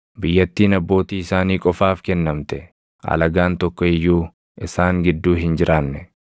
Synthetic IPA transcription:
bɪjːɐt̪ːiːnɐbːo̞ːt̪iːɪsaːniːkʼɔfaːfkɛnːɐmt̪ɛ | ʔɐ̰lɐɡaːnt̪ɔkːɔɛjːuː | ʔɪsaːŋɡɪd̪ːuːɦɪnd͡ʒɪɾʔaːnːɛ

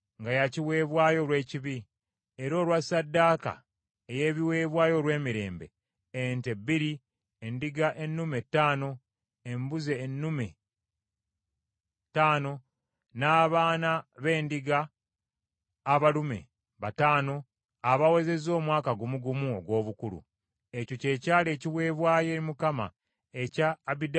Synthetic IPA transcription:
ŋɡajaciwe̞ːβwaːjo̞lwe̞ːciβi | eɾo̞ːlwasadːaːka̰ | eje̞ːβiwe̞ːβwaːjo̞lwe̞ːmiɾe̞̰ːmbe̞̰ | entebiɾi | endiɡaʔe̞nːume̞tːaːno̞ | embuze̞ːnːume | taːno̞ | naːβaːnaβe̞ːndiɡa | βalume̞̰ | βataːno̞ | aβawe̞ze̞zo̞ːmwaːkaɡumuɡumuoɡwo̞ːβukuɾṵ | e̞coce̞ːcaːle̞ːciβwe̞ːβwaːje̞ːɾimukama̰ | ecaːβid

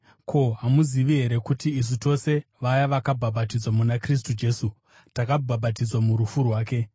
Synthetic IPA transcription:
kʰo̞ɦamuziʋiɦe̞ɾe̞kutiːs̬uto̞se̞ʋajaʋakabʱabatid͡zwamunakris̬tud͡ʒe̞su | takabʱaɓatid͡zwamuɾufurwaːke̞

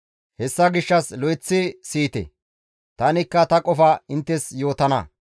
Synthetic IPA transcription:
hɛsːɐɡɪʃːɐslɔjɪt͡sːɪsiːt̪ɛ̰ | t̪ɐnɪkːɐt̪ɐkʼɔfɐɪnt̪ːɛsjo̞ːt̪ɐnɐ̰

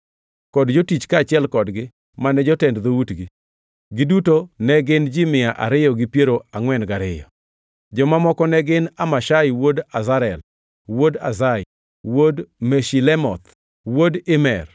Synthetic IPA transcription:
kɔdd͡ʒotit͡ʃkaːt͡ʃɪɛlkɔdɡɪ | manɛd͡ʒɔtɛndd̪outɡi | ɡɪdutonɛɡɪnd͡ʒɪmɪjaʔa̰ɾɪjɔɡɪpjeɾoaŋwɛnɡaɾɪjɔ̰ | d͡ʒɔmamɔkɔnɛɡɪnamaʃaiwodazaɾɛl | woda̰zaɪ | wodmeʃilɛmɔt̪ | wodɪmɛr

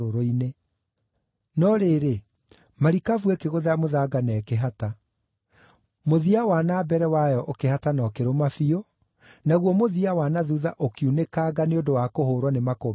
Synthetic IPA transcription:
oɾoine | nɔɾeːɾe | maɾikavwɛkeɣoðɛamoðaɡanɛkeɦata | moðiawanabɛɾɛwajɔʔokehatanɔkeɾomafio | naɣwɔmoðiawanaðuðaʔokjunekaːɡaneondowakohoːɾwanemako

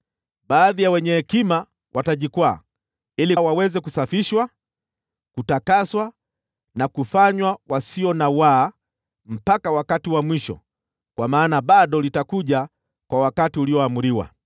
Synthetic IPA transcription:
ɓaːðijawɛɲɛhɛkima | wʔataʄikwaː | iliwawɛzɛkusafiʃwa | kutakaswa | nakufaɲwawasiɔnawa | m̩pakawakatiwamwiʃɔ̰ | kwamaːnaɓaɗɔlitakuʄa | kwawakatiuliɔamuɾiwa̰

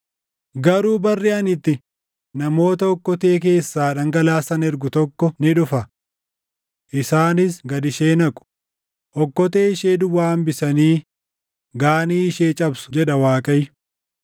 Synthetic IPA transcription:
ɡɐɾuːbɐrːiɐnɪt̪ːɪ | nɐmo̞ːt̪ɐɔkːɔt̪e̞ːk̬e̞ːsːaːᶑɐŋɡɐlaːsɐnɛɾɡʊt̪ɔkːɔnɪᶑʊfɐ | ʔɪsaːnɪsɡɐd̪ɪʃe̞ːnɐkʼʊ̥ | ʔɔkːɔt̪e̞ːɪʃeːd̪ʊwːaːmbɪsɐniː | ɡaːniːɪʃeːt͡ʃʼɐbsʊ̥d͡ʒɛᶑɐwaːkʼɐj

